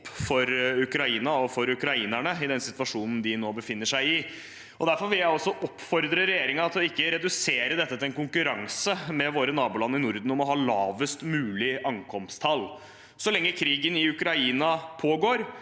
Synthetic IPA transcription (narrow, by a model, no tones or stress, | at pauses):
pːfɔɾʉkɾɑiːnɑɔfɔɾʉkɾɑiːnæɳəɪd̪ɛnsɪt̪ʋɑʂuːnn̩d̪ɪnoːbəfɪnːəʂæɪɪ | ʔɔd̪æɾfɔɾʋɪljæɪɔsːɔʔɔpːfɔɾd̪ɾəɾɛjeːɾɪŋɑɑt̪ɔɪkːəɾɛd̪ʉseːɾəd̪ɛt̪ːət̪ʰɪlɛnkʊŋkʉɾɑŋsəmɛʋoːɾənɑːbʊlɑnːɪnʊɾd̪n̩ɔmɔɦɑːlɑːʋəst̪mʉːlɪʔɑŋkʰɔmst̪ʰɑl | sɔlɛŋːəkʰɾiːɡənɪʉkɾɑiːnɑpʰoːɡoːɾ